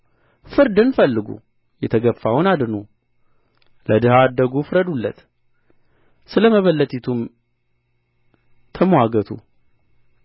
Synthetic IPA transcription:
fɨɾd̪ɨnfəlːɨɡṵ | jɛt̪ʰəɡəfːawnad̪nu | ləd̪ɨhaːd̪ːəɡufɨɾəd̪ulːə̰t̪ | sɨləməβəlːət̪ʰit̪ʰum | t̪ʰəmwaɡət̪ʰṵ

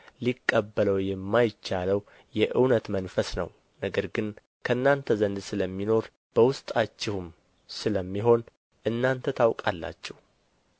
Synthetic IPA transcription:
likʼːəbːələwjɛmːajt͡ʃːaləw | jɛʔɨwnət̪mənfəsnə̰w | nəɡəɾɡɨn | kʰəɨnːant̪ʰəzənd̪sɨləmːino̞ɾ | b̥əwʊst̪ʼat͡ʃːɪhum | sɨləmːiɦo̞n | ʔɨnːant̪ʰət̪ʰawkʼalːa̰t͡ʃːɛh

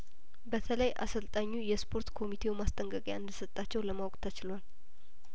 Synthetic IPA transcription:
bət̪ʰələjʔa̰səlt̪ʼaɲːujɛspʰo̞ɾt̪kʰo̞mit̪ʰe̞wumast̪ʼəŋkʼəkʼjaɨnd̪əsət̪ʼːat͡ʃːɛwləmawkʼt̪ʰat͡ʃɪlwal

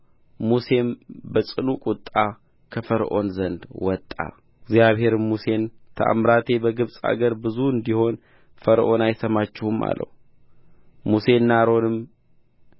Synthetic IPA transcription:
muse̞mbəsʼɨnukʼut̪ʼːa | kʰəfəɾʔo̞̰nzənd̪wɔt̪ʼːa̰ | ɡzjaβhe̞ɾmuse̞nt̪ʰəʔa̰mɾat̪ʰe̞bəɡɨβsʼa̰ɡəɾbɨzuɨnd̪iho̞n | fəɾʔo̞najsəmat͡ʃːɪhuma̰lːə̰hu | muse̞nːaɾo̞nɨm

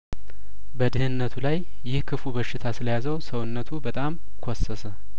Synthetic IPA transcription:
bəd̪ɨhɨnːət̪ʰulajː | ɪhkʰɨfubəʃːɪt̪ʰasɨləjazəwsəwɨnːət̪ʰubət̪ʼam | kʰosːəsə

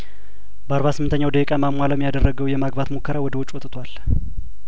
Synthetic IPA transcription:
bəaɾβasɨmɨnt̪əɲːawd̪əjɛkʼamamʷaləmjad̪ərːəɡəwjɛmaɡbat̪mokʰːəɾawɔd̪əwɔt͡ʃʼwɔt̪ʼt̪ʰwal

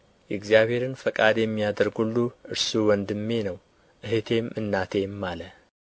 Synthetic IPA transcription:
jɛɨɡzijaβhe̞ɾɨnfəkʼad̪jɛmːijad̪əɾɡhulːuʔɨɾsuwɔnd̪ɨmːe̞nəw | ʔɨɦet̪ʰe̞mʔɨnːat̪ʰe̞mːalə

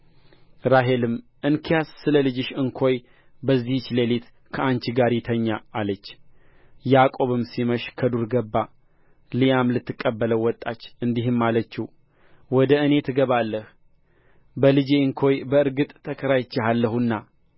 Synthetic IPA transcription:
ɾaɦelɨmʔɨnkʰijassɨləlɨd͡ʒɪʃɨŋkʰo̞j | bəzːiht͡ʃːlelit̪ | kʰəant͡ʃiɡaɾit̪ʰəɲːaːlət͡ʃː | jakʼo̞βɨmsiməʃkʰəd̪uɾɡəbːa | lijamlɨt̪ːɨkʼːəbːələwɔt̪ʼːat͡ʃːɨnd̪iɦɨmːalət͡ʃːiw | wɔd̪əɨne̞t̪ʰɨɡəβalːəh | bəlɨd͡ʒeɨŋkʰo̞jbəɨɾɡɨt̪ʼt̪ʰːəkʰəɾajt͡ʃːehalːəhunːa

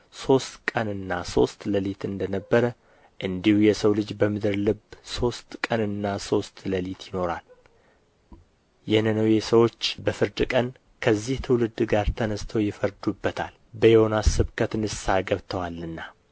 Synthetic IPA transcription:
so̞st̪kʼənɨnːaso̞st̪ləlit̪ɨnd̪ənəbːəɾə | ʔɨnd̪ihujɛsəwlɨd͡ʒbəmɨd̪ɨɾlɨbso̞st̪kʼənɨnːaso̞st̪ləlit̪ʰjɪno̞ɾal | jɛnənəwjɛsəwo̞t͡ʃːbəfɨɾd̪ɨkʼən | kʰəzːiht̪ʰɨwlɨd̪ɡaɾt̪ʰənəst̪ʰəwjɪfəɾd̪ubːət̪ʰa̰l | bəjɛho̞nasɨβkʰət̪ɨnɨsaɡəβt̪ʰəwalːɨnːa

